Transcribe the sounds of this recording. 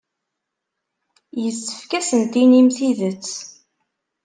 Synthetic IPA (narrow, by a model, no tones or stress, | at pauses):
jəsːə̥fkæsənt̪inimθiðət͡sː